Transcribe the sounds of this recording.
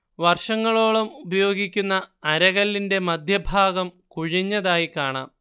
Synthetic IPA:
ʋɐrʂɐŋːɐɭo̞ːɭɐmubɐjo̞ːɡikʲːunːɐːɾɐɣɐlːinde̞mɐd̪ʱjɐbʱaːɡɐm | kuɻiɲːɐðaːjikaːɳa̰ːm

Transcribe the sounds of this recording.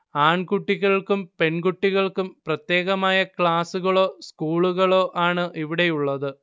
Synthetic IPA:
aːɳkuʈːiɣɐɭkumpe̞nɡuʈːiɣɐɭkumprɐt̪je̞ːɣɐmaːjɐkɭaːsuɣɐɭo̞ːskuːɭuɣɐɭo̞ːʔaːɳɨʔiʋiɽe̞juɭːɐðɨ

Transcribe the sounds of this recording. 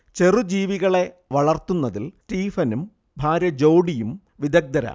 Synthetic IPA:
t͡ɕe̞rud͡ʑiːʋiɣɐɭe̞ | ʋɐɭɐrt̪ːunːɐðiltiːfɐnum | bʱaːɾjɐd͡ʑoːɖijum | ʋid̪ɐɡ̚d̪ɐɾɐ̰

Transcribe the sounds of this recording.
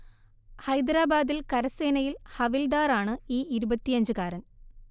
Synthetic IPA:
hɐjd̪ɾaːbaːd̪ilkɐɾɐseːnɐjilhɐʋild̪aːɾaːɳɨiːiɾubɐt̪ːijɐɲd͡ʑɨkaːɾɐn

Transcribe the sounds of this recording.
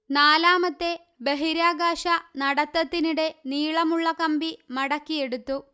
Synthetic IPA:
naːlaːmɐt̪ːe̞ | be̞ɦiɾaːɡaːɕɐnɐɽɐt̪ːɐt̪ːiniɽe̞niːɭɐmuɭːɐkɐmbimɐɽɐkːije̞ɽut̪ːu

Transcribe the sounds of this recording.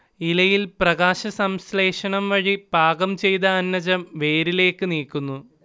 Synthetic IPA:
ilɐjilprɐɣaːɕɐsɐmsle̞ːʂɐɳɐmʋɐɻib̥ʱaːɡɐmt͡ɕe̞jt̪ɐːnːɐd͡ʑɐmʋe̞ːɾile̞ːkːɨniːkːunːu

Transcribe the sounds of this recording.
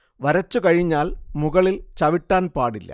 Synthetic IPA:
ʋɐɾɐt͡ɕːukɐɻiɲːaːlmuɣɐɭilt͡ɕɐʋiʈːaːnpaːɽilːɐ̰

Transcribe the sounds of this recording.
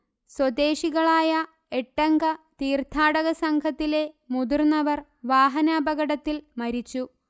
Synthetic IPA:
swɐd̪e̞ːʂiɣɐɭaːjɐ | eʈːɐŋɡɐt̪iːrt̪ʰːaːɽɐɣɐsɐŋkʰɐt̪ːile̞ | mud̪urnɐʋɐr | ʋaːɦɐnaːbɐɣɐɽɐt̪ːilmɐɾit͡ɕːu

